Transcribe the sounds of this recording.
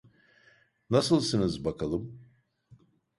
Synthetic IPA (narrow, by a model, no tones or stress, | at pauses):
nasɯlˠsɯnɯzbakʰalˠɯm